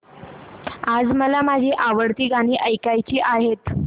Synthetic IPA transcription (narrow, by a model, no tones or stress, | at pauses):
ad͡zməlamad͡ʑʱiʔaʋəɽt̪iːɡaɽ̃iːʔəjkajt͡ɕiːʔaɦet̪